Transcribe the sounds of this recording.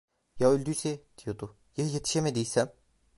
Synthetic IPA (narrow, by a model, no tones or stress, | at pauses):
jaølʲd̪yset̪ʰijot̪u | jeɦjet̪ʰi̥ʃemed̪ijsɛm